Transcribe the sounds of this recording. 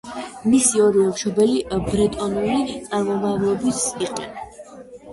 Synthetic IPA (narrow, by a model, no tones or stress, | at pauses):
misiɔɾiɔmʃɔbɛlibɾɛt̪ʼɔnulit̪sʼaɾmɔmavlˠɔbisiqʼɛ̰na